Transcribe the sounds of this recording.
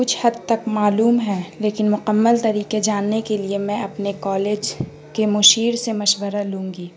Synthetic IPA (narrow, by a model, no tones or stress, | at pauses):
kʊt͡ʃʰhɐd̪̚t̪ɐkmaːluːmɦɛːleːkɪnmʊkəmːəlt̪ɐɾiːqed͡ʒaːnːekeliemɛ̃ɐpnekɔːleːd͡ʒ | kemʊʃiːɾsemɐʃwəɾalũːŋɡiː